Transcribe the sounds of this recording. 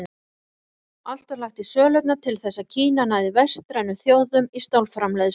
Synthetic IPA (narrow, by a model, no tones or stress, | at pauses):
al̥t̪aɾlaxt̪isœːlœɥt̪nat̪ʰɪlθɛsːacʰiːnanaðɪvɛst̪ɾajnʏmθjoːwðʏmist̪awlfɾamlɛjðɪs